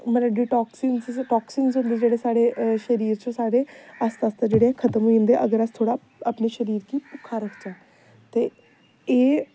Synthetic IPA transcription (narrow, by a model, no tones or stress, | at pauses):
mət̪ləɖiːʈɔːksiːnzʈɔːksiːnzɦʊ̃nd̪eːd͡ʒeːɽeːsaːɽeːʃəɾiːɾt͡ʃõːsaːɽeːast̪aːst̪aːd͡ʒeːɽeɛːkʰət̪əmɦoːĩnd̪eːʔəɡəɾəst̪ʰoːɽaː | əːpneːʃəɾiːɾkiːpʊkʰːaːɾəkʰd͡ʒãː | t̪eː | eː